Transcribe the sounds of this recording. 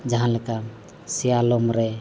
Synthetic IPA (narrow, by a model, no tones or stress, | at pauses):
d͡ʒaɦãlɛka | sijalomɾɛ